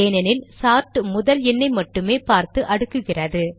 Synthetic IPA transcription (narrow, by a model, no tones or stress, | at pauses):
eːnɐnɪlsaːɾʈɯmʊðɐlɛnːɐɪmɐʈːɯmeːpaːɾt̪ɯʔɐɽɯkːɯɣɪrɐðɯ